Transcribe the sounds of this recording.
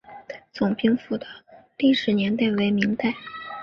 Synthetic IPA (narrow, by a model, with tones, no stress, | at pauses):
t͡sʊ˨˩ŋpi˥ŋfu˨˩d̪ə˧˥li˥˩ʂɻ̩˨˥njɛ˧˥nt̪a˥˩ɪwe˧˥ɪmi˧˥ŋt̪a˥˩ɪ